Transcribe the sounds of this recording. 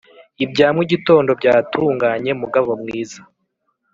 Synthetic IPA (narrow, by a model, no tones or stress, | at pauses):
ibɟaːmwiɟito̞ːndo̞bɟaːtʰuːŋɡaːɲe̞muɡavo̞mŋiːza